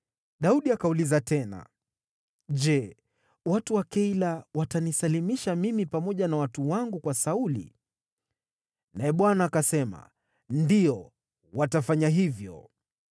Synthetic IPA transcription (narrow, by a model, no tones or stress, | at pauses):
ɗauɗiakaulizatɛna̰ | ʄɛ | watuwakɛilawatanisalimiʃamimipamɔʄanawatuwaŋɡukwasaulḭ | naɛɓwanaːkasɛma̰ | ndijɔ | watafaɲaɦivjɔ̰